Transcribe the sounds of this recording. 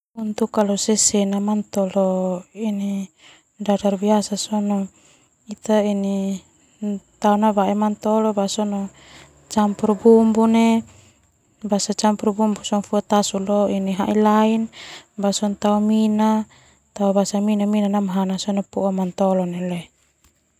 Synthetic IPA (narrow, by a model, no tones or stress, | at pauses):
unt̪ukalɔsɛsɛnamant̪ɔlɔini | dadarbiasasɔnɔ | it̪aini | t̪aunabaɛmant̪ɔlɔbasɔnɔ | t͡ʃampurbumbunɛ | basat͡ʃampurbumbusɔŋfuat̪asulɔiniɦaʔilainbasɔnt̪aumina | t̪aubasaminaminanamɦanasɔnɔpuɔmant̪ɔlɔnɛlɛ